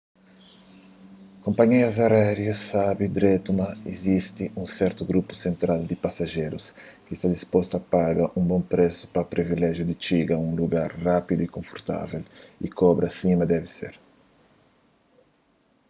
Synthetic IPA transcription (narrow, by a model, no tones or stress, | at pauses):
kõmpaɲeɐzaɾɛɾjusabɪd̪ɾet̪umaezist̪ɪʔũsɛɾt̪ʊɡɾupʊ̥sẽnt̪ɾald̪ɪpasaʒeɾʊs | kɪst̪ad̪ispɔst̪uapaɡɐʔũŋbõmpɾesʊ̥pɐpɾivilɛʒjʊd̪ɪt͡ʃiɡaũŋluɡaɾrapid̪ʊikõɱfoɾt̪a̰velḭkɔbɾɐsimɐd̪ɛvɪsḛɾ